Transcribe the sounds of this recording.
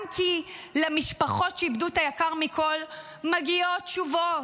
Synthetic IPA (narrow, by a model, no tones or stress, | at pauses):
mtʰilemiʃpaχo̞tʃeibdutajakaʁmikʰol | maɡiott͡ʃuvo